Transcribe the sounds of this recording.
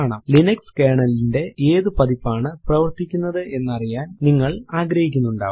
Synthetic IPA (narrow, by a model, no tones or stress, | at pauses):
aːɳa̰ːmlinɐkskeːɳɐlinde̞eːðɨpɐðipːaːɳɨprɐʋɐrt̪ikʲːunːɐðɨʔe̞nːɐrijaːnniŋːɐɭaːɡɾɐhikʲːunːuɳɖa̰ː